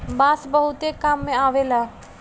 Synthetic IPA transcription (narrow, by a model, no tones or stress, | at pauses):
baːsbəɦut̪ekːaːmːẽaːʋela